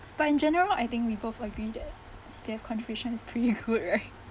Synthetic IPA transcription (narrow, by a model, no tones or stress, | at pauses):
b̥atɪ̃nd͡ʒɛnəɹəlajt̪ɪ̃ŋkwibofəɡɹidɛt̚ | sifiɛfkʰɔ̃ntəɹeʃə̃nɪspʰɹitiɡud̚ɹaɪt̚